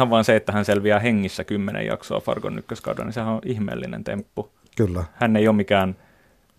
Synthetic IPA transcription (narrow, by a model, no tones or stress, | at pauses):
ɑʋʋɑːnseet̪ːæhænseælʋiæheŋːisːækymːenʔḛjɑ̰ksoɑfɑ̰rko̰nːykːøskɑ̰utɑ̰nisehæoʔihmḛːlːinḛnt̪ḛmpːu | kylːæhænːeiomikæːn